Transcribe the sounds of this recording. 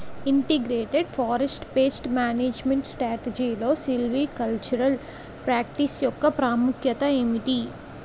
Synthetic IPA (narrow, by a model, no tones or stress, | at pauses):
iɳʈeɡɾeːʈeɖfʰaːɾesʈpeːsʈmaːneːd͡ʒmeɳʈsʈɾaːʈed͡ʒiːloːsilʋiːkɐlt͡ʃuɾɐl | pɾaːk̚ʈisjɔkːɐpɾaːmukʰjɐt̪ɐeːmiʈ̪i